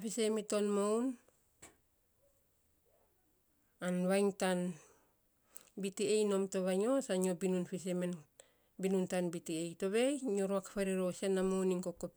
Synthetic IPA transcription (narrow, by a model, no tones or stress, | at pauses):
pisemitonmown | anβajŋtan | bitiejno̞mtoβajŋo̞saɲobinunpiseme | binuntanbitiejto̞βe̞jɲoɾoakapaɾiɾosenːamowniŋkokːop